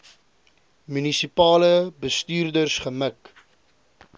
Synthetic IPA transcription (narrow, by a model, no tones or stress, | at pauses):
mynisipɑːləbəstyːrdərsχəmək